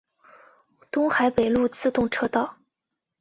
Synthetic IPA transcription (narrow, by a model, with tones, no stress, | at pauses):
t̪ʊ˥ŋxa˨˧˥ɪpe˨˩ɪlu˥˧t͡sʰɹ̩˥˧t̪ʊ˥˩ŋʈ͡ʂʰɤ˥t̪ɑ˥˩ʊ